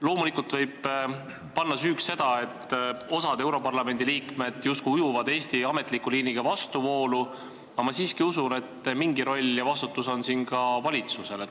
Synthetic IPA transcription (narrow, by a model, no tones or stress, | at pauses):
lo̞ːmulikːˑult̪vɤjb̥̚ | pɑnːɑsyːksse̞d̪̥ɑe̞t̪ːo̞sɑd̪e̞wɾo̞pɑrlɑme̞nd̪iliːkme̞d̪̥just̪kujujuvɑd̪̥e̞ːst̪iɑme̞t̪ˑlikːuliːniɡ̥ɑvɑst̪uvo̞ːlu | ɑmɑsiːskiusune̞t̪ːmiŋɡiɾo̞lʲjɑvɑst̪ut̪ːuso̞nsinɡɑvɑlʲit̪suse̞le